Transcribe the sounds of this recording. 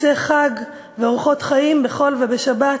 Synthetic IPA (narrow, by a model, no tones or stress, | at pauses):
eχaɡ | veoʁχo̞t̪χaimbe̞χo̞lve̞beʃaba